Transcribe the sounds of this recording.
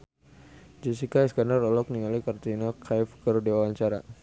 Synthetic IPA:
d͡ʒɛsikaɛskandarɔlɔk̚niŋalikart̪inakʰajfkəɾdiwawaɲt͡ʃaɾa

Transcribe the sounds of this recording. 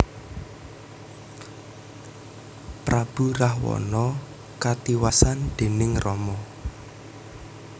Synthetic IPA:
pɾab̥ṳrahwɔ̰nɔ | kat̪iwasand̪̥e̤nɪŋrɔmɔ

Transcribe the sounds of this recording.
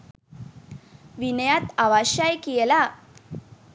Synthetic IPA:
ʋinəjat̪aʋaɕajkijɛla

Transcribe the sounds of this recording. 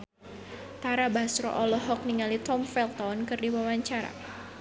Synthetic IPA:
t̪aɾabasɾɔ̰ʔɔlɔɦɔk̚niŋalit̪ɔmfɛlt̪ɔnkɨrdiwawaɲt͡ʃaɾa̰

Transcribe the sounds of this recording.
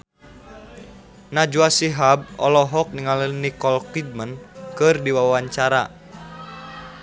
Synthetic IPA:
nad͡ʒuasiɦab̚ɔlɔɦɔk̚niŋalənikɔlkid̚mənkɨrdiwawaɲt͡ʃaɾa

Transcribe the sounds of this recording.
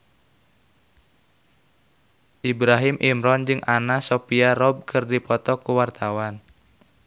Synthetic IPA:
ʔibɾaɦimʔimɾɔnd͡ʒɨŋʔanasopiarɔb̚kʰɨrdipɔt̪ɔkuwart̪awan

